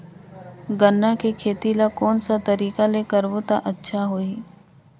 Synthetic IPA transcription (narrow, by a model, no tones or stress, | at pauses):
ɡənːakekʰeːt̪ilakɔːnsat̪ɐɾiːkalekəɾʋot̪aʔətːʃʰaɦoːiː